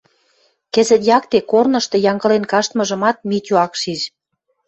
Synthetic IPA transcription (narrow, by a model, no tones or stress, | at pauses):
kĕzə̆t̪jɑkt̪ekornɤ̆ʃt̪ɤ̆jɑŋɡɤ̆lenkɑʃt̪mɤ̆ʒə̆mɑt̪̚mit̪ʲuɑkʃiʒ